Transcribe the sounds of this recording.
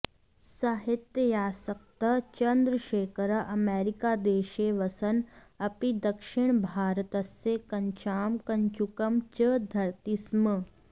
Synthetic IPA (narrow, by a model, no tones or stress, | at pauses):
saɦɪt̪jəjaːsɐk̚t̪ɐt͡ʃɐnd̪ɾəʃeːkɾɐʔɐmeːɾikad̪eːʃeʋɐsɐnɐpid̪ɐkʃɪɳ̃bʱaːɾt̪ɐsːekɐɲt͡ʃaːmkɐɲt͡ʃukɐmt͡ʃəd̪ʱɐɾt̪ismə